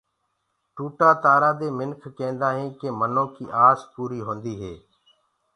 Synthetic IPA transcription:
ʈuːʈaːt̪aːɾaːd̪eːmɪnkʰkẽːnd̪aːɦẽːkeːmənõːkḭːʔaːzpuːɾiːɦõːnd̪iːɦeː

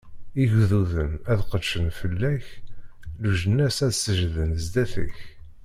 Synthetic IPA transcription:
iʝðuðənæðqəd̪ʃənfəlːæç | luʒənːæsæðsəʒðənzd̪æθə̰ç

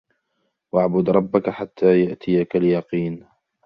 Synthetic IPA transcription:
waʕbʊd̪ɾˤɑbːakaħat̪ʰːaːjaʔt̪ʰɪjakaljɑqiːn

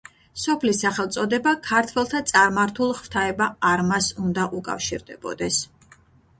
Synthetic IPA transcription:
sɔpʰlisaχɛlˠt̪sʼɔd̪ɛbakʰaɾt̪ʰwɛlˠt̪ʰat̪sʼaɾmaɾt̪ʰulˠχvt̪ʰaɛbaːɾmasund̪aʔukʼa̰fʃḭɾd̪ɛbɔ̰d̪ɛs

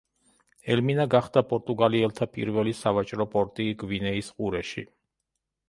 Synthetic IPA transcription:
ɛlminaɡaχd̪apʼɔɾt̪ʼuɡaliɛlˠt̪ʰapʼḭɾvɛlisavat͡ʃʼɾɔpʼɔɾt̪ʼiɡvinɛisqʼuɾɛʃḭ

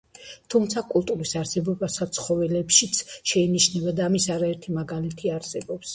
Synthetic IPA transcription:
t̪ʰumt̪sʰakʼulˠt̪ʼuɾisaɾsɛbɔbasat̪sʰχɔvɛlɛpʃit̪sʰʃɛiniʃnɛbad̪aːmisaɾaɛɾt̪ʰimaɡalit̪ʰiaɾsɛbɔps

